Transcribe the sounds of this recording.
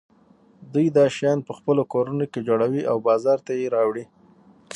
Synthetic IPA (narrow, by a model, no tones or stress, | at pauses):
d̪ujd̪ɑʃjɑnpəxpəlokoɾunoked͡ʒoɽawiʔawbɑzɑɾt̪ajeɾɑwɽi